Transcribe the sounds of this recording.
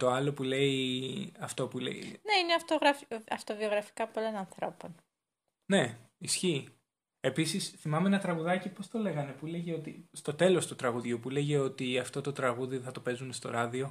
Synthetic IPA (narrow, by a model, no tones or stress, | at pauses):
t̪o̞ɐlo̞pule̞iɐft̪o̞pulḛḭne̞ineɐft̪oɣɾɐfɐft̪o̞vio̞ɣɾɐfi̥kɐpolo̞nɐnθɾo̞po̞n | ne̞isçiː | e̞pisisθimɐmeenɐt̪ɾɐɣuðɐcipo̞st̪o̞le̞ɣɐne̞pule̞ʝeo̞t̪ist̪o̞t̪e̞lo̞st̪ot̪ɾɐɣuðʝopule̞ʝe̞o̞t̪iɐft̪o̞t̪o̞t̪ɾɐɣuðiθɐt̪o̞pe̞zunst̪o̞̰ɾɐðio̞